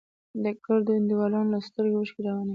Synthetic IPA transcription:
d̪əkəɾd̪əɪnd̪iwɑlɑnolast̪əɾɡoməʃkiɾawana

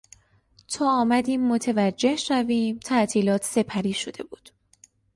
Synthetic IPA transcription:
t̪ʰɒːɒːmæd̪iːmːot̪ʰe̞væd͡ʒːe̞hʃæviːmt̪ʰæʔt̪ʰiːlɒːt̪ʰse̞pʰæɾiːʃo̞d̪e̞buːd̪̥

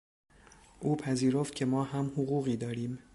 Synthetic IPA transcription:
ʔuːpʰæziːɾo̞ft̪cʰe̞mɒːɦæmhoɣuːɣiːd̪ɒːɾiːm

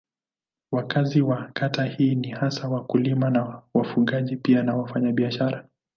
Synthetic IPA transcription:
wakaziwakatahiːnihasawakulimanawafuɠaʄipianawafaɲaɓiaʃaɾa

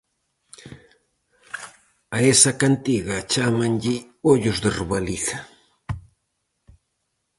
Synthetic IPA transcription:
aesakant̪iɢɑt͡ʃamanʎi | oʎʊsd̪erβaliθḁ

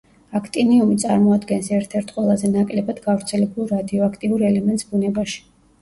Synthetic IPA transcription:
akʰt̪ʼiniumit̪sʼaɾmɔad̪ɡɛnsɛɾt̪ʰɛɾt̪ʰqʼwɛlˠazɛnakʼlɛbad̪ɡavɾt̪sʰɛlɛbulˠɾad̪iɔakʰt̪ʼiuɾɛlɛmɛnt̪sbunɛbaʃi̥

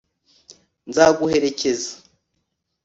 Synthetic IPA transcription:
nzaɡuhe̞ɾe̞ce̞zḁ

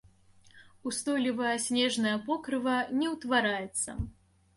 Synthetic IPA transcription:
ust̪ɔlʲivɐjɐsʲnʲɛʐnɐjɐpɔkɾɨvɐnʲɛwt̪vaɾajɛt̪sːɐ̰

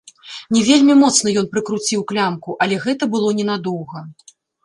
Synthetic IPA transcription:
nʲɛvʲelʲmʲimɔt̪snɐjɔn̪pɾɨkɾut͡sʲiwklʲamkuʔɐlʲɛɣɛt̪ɐbɨlˠɔnʲɛnad̪ɔwɣɐ

